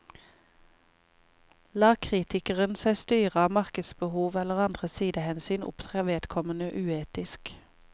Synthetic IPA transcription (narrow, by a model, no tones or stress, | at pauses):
lɑːkʰʁiːt̪ɪkəʁənsæɪst̪yːʁəɑːmɑʁkəd̪sbəhuːʋɛləʁɑnd̪ʁəsiːd̪əhɛnsyːnʊ̰pt̪ʰʁeːʋeːd̪̥kʰɔmənəʔʉːeːt̪ɪsk